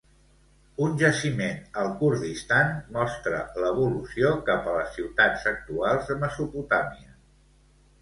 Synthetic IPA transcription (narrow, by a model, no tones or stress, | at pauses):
unʲʒəsimenəlˠkuɾðist̪anmɔst̪ɾə̰ləβ̞ulusiokapələsːiwt̪ad͡zək̚t̪ualˠzðəməsuput̪amiə